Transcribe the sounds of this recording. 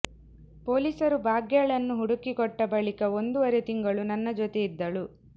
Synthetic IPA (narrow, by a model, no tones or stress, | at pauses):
poːliːsɐɾubʱaːɡjaɭɐnːuɦuɽukːikɔʈːɐbɐɭikɐo̞nd̪uʋɐɾet̪iŋɡɐɭunɐnːɐd͡ʒɔt̪eid̪ːɐɭu